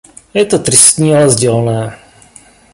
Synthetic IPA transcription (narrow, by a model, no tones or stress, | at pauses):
jɛt̪ot̪ɾɪst̪ɲiːalɛzɟɛlnɛː